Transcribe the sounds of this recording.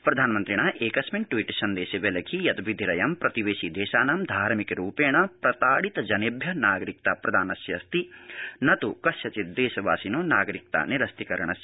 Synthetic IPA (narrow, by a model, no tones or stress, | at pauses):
pɾɐd̪ʱaːnɐmɐnt̪ɾiɳaːʔeːkɐsmiɳ̚ʈʋiʈsɐnd̪eːʃeʋelɐkʰijɐt̪ʋid̪ʱiɾɐjɐmpɾɐt̪iʋeːʃid̪eːʃaːnaːmd̪ʱaːɾmikɐɾuːpeːɳɐpɾɐt̪aːɽit̪ɐd͡ʒɐnebʱjɐnaːɡɐɾik̚t̪apɾɐd̪ʱaːnɐsjɐ̰st̪inɐt̪ukɐsjɐt͡ʃit̪̚d̪eːʃɐʋaːsinoːnaːɡɐɾik̚t̪a̰ːniɾɐst̪ikɐɾɐɳ̃ɐs